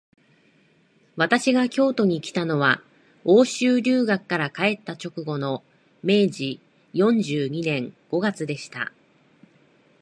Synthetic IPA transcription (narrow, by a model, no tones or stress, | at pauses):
βat̪aɕiɡakʲo̞ːt̪o̞ɲ̟ikʲi̥t̪ano̞βa | o̞ːɕɨːɾʲɨːɡakɯ̥kːaɾakae̞t̪ːat͡ɕo̞kɯ̟ɡo̞no̞ | me̞ːʑi | jõ̞ɲd͡ʑɨːɲ̟inẽ̞ŋɡ̥o̞ɡat͡sɨd̪e̞ɕi̥t̪a̰